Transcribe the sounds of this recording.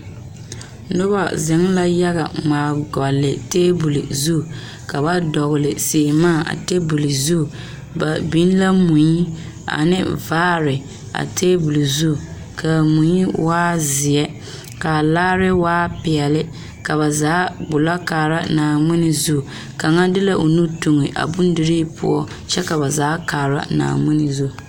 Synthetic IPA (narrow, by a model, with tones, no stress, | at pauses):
nʊ˦ba̰˦zɪ˨˦ŋ˦la˦ja˦ɣa̰˨maː˨ɡɔ˨lːɪ˨teː˦bu˨lḭ˨zu˦˨ | ka˨ba˦dɔ˨ɣɪ˨lɪ˨se˨maː˦˨ʔa̰˨te˦bu˨li˨zu˦˨ | ba˨bi˦n˦la˦mu˨ɲi˦ | a̰˨nɪ̰˦vaː˦ɾɪ˨ | a̰˨tʰeː˦bu˨li˨zu˦˨ | kʰa˨mʊ˨ɲi˦waː˦zɪ˨ɛ˦ | ka˨laː˦ɾɪ˦waː˦pɪ˨ɛ˨lɪ˦ | ka˨βa˨zaː˨˦bʊ˨la˦kaː˨ɾa˦naː˨mɪ˦nɪ˨zu˦˨ | ka˨ŋa˦dɪ˦la˦ʔo˨nu˦tu˨ŋɪ˨ʔa̰˨bʊ˦n˦dɪ˨ɾiː˦pʊ̰˦ɔ˦ | t͡ʃɛ˦ka˨ba˨zaː˨˦kaː˨ɾa̰˦na̰ː˨mɪ˦nɪ˨zu˦˨